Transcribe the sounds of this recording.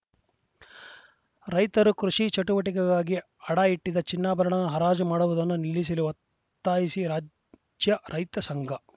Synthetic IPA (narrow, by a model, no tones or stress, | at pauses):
ɾɐjt̪ɐɾukɾuʂit͡ʃɐʈuʋɐʈikɛɡaːɡi | ɐɽaiʈːid̪ɐt͡ʃinːaːbʱɐɾɐɳɐnɦɐɾaːd͡ʒɐmaːɽuʋud̪ɐnːunilːis̬iluʋɐ | t̪ːaːjisiɾaː | d͡ʒjɐɾʔɐjt̪ɐsɐŋɡʱɐ